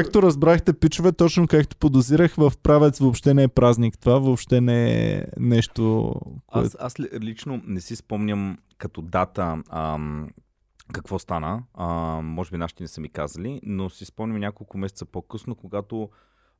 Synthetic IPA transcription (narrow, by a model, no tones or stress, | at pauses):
kakt̪oɾɐzbɾaxt̪ɛpit͡ʃʊvɛt̪ɔt͡ʃnokakt̪o̥pod̪ʊziɾəxvɐfpɾavɛt̪svoːpʃt̪ɛnɛɛpɾaznʲikt̪ovavoːpʃt̪ɛnɛɛ̰nɛʃt̪o̰koɛ̰aslit͡ʃnonɛsispɔmnʲəm | kɐt̪ɔd̪at̪əəm | kɐkvɔst̪anə | mɔʒɛbinaʃit̪ɛnɛsɛmikazəlinosispɔmnʲəmnʲjakolˠkʊmɛsɛt̪səpokɤsnokoɡat̪o